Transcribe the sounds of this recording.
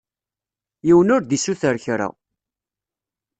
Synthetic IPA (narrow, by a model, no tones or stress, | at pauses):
jiwənʊɾd̪isuθəɾçɾa̰